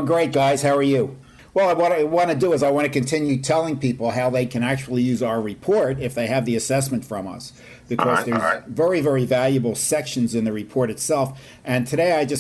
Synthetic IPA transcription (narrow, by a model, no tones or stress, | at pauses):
ɡɹeɪt̚ɡ̥aɪz̥haʊə˞jʉ | wɛlˠaɪwɑ̃nwɑ̃nɨdɨəzaɪwɑ̃ñɨkɨ̃ntʰɪ̃njʉtʰɛlˠɪ̃ŋpipl̩ˠɦaʊðeɪkʰɨ̃ñæk̚t͡ʃul̩ˠijʉzaʊə˞ɹɨpʰɔɹɾɪfðeɪɨvðiɨsɛsmɨ̃ntfɹʌ̃mʌ̰s | b̥ɨkʰɔzðə˞zvɛɹivɛɹivælˠjɨbl̩ˠsɛkʃɨ̃nzɨ̃nðɨɹɨpʰɔɹɾɨtsɛlˠf | ʔɨ̃ntʰɨɾeɪaɪd͡ʒʌs